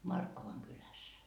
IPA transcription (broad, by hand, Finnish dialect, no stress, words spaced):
mɑrkːoʋɑŋ kylæs